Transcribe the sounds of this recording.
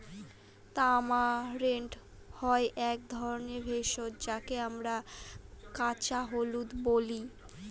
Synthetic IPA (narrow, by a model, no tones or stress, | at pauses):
t̪amaɾeɳʈ | hɔeʔɛk̚d̪ʱɔɾoneɾbʱeʃot̪d͡ʑakeamɾa | kat͡ɕaɦolut̪boli